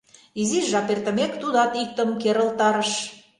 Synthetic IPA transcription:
iziʃʒɑpert̪ə̆mekt̪ud̪ɑt̪ik̚t̪ə̆mkeɾə̆lt̪ɑɾə̆ʃ

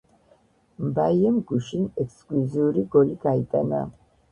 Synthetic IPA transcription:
mbaiɛmɡuʃinɛkʰskʼluziuɾiɡɔliɡait̪ʼana̰

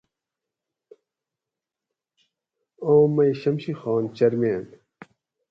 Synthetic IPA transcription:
oːmːɐjɕɐmɕixɑːnt͡ɕɐɾmeːn

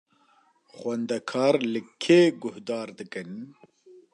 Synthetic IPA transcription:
xwɛnd̪ɛkʰɑːɾlɨkʰeːɡʊhd̪ɑːɾd̪ɨkɨn

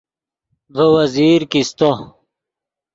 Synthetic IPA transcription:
dowɐziːɾkist̪o

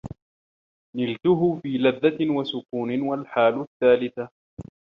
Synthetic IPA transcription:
nɪlt̪ʊɦʊfiːlaðːawasʊkuːnɪwalħaːlʊθːaːlɪθa

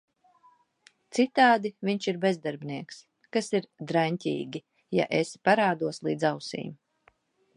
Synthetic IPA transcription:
t̪sit̪aːd̪iviɲʃiɾbezd̪aɾbʲniɛks | kasiɾd̪ɾaɲʲtʲḭːɡʲi | ja̰ʔespaɾaːd̪uɔslˠiːd̪zawsḭːm

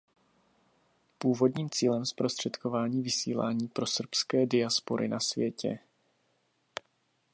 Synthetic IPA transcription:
puːvo̞dɲiːmt͡siːlɛmspɾo̞st̪r̝̥ɛt̪ko̞vaːɲiːvɪsḭːla̰ːɲiːpɾo̞sr̩pskɛːdɪaspoɾʔɪ̰nasvjɛcɛ̰

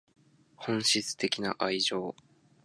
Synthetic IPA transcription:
hõ̞ɰ̃ɕit͡sɨ̥t̪e̞kʲina̰ʔaiʑo̞ː

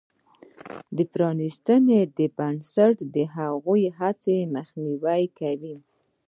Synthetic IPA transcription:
d̪əpɾɑnist̪əned̪əbansaʈd̪əɦaɣujɦat͡seməxniwajkawi

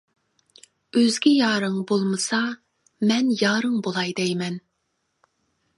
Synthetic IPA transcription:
øzɡʲijɑːɾɨŋbolˠmɨsɑ | mɛnjɑːɾɨŋbolˠɑjd̪ɛjmɛn

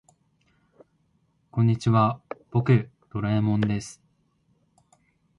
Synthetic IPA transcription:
kõ̞ɲ̟ːit͡ɕiβab̥o̞kɯ̟ | d̪̥o̞ɾaemõ̞nd̪e̞sɨ̥

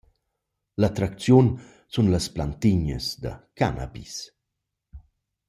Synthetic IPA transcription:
lat̪ɾak̚t͡sjun | sunləsplant̪iɲə̰sd̪ɐ̰kana̰bis

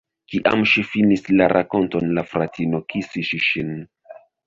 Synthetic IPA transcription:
kiʔa̰mʃifinislaɾʔako̞nto̞nlafɾatʰinokisiʃiʃin

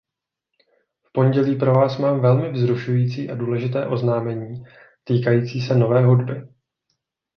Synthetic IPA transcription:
fpo̞ɲɟɛliːpɾovaːsmaːmvɛlmɪvzɾuʃujiːt͡siːʔaduːlɛʒɪt̪ɛːʔo̞znaːmɛɲiː | t̪iːkajiːt͡siːsɛno̞vɛːɦudbɪ

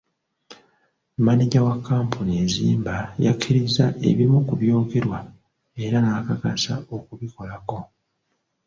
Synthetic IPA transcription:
maniɟawakːaːmpʰuniezḭːmbajakʰːiɾizaʔe̞̰βimukuβjo̞ːke̞ɾwa | e̞ɾanakakasa̰o̞kuβiko̞lako̞

